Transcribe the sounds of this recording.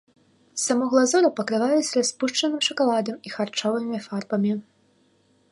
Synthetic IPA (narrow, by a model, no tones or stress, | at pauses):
samɔɣlˠazɔɾɐpɐkɾɨvajɛsʲɾaspuʂt͡ʂɐnɨmʂɐkalˠad̪ɐmixart͡ʂɔvɨmʲifarbɐmʲi